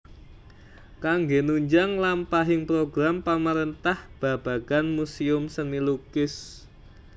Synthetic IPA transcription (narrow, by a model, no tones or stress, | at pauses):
kaŋɡenuɲd͡ʒaŋlampaɦɪŋpɾoɡɾampamaɾənt̪ahb̥ä̤b̥a̤ɡ̥anmusiʊmsənilukɪs